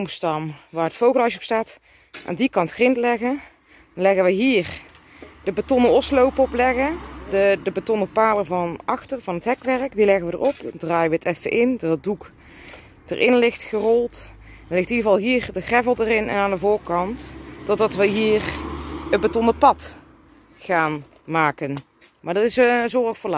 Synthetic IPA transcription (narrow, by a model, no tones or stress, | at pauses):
omstɑmʋaːɹətfowɣəlˠɑʃɔpstaːt | ʔa̰ːndikɑntxrɪntlɛɣə | dɑnlɛɣəʋəɦiːr | d̥əbatɔnəɔslowpɔplɛɣədədəbatɔnəpaːləvɑnɑxtərvɑnɦətɦɛkʋɛrəkdilɛɣəʋədə̰rɔpdraːjəʋəətɛfə̰ʔɪndɔtədduk | d̥ə̰rʔɪnlɪxtχərɔlˠt | dɑnlɪxtnidəɣəvɑlˠɦiːrdəxrɛvəlˠdərɪnɛ̰naːndəvʊːɹkɑntd̥ɔdɑtʋəɦiːrəbatɔnəpɑt | χaːn | maːkən | maːɹdɑtɪsəzɔrəxfəɹla